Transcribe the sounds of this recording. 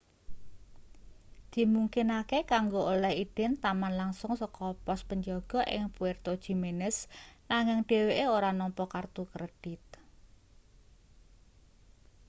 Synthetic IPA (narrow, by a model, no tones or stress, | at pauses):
d̪̥i̤muŋkinakekaŋɡoolɛhiɖ̥ɛ̤nt̪amanlaŋsʊŋsɔkɔpɔspəɲd͡ʒɔɡ̥ɔ̤ʔɪ̰ŋpuert̪od̥ʒ̥i̤menəsnaŋɪŋɖ̥e̤weʔeoɾanɔmpɔkart̪ukɾəɖ̥it̪̚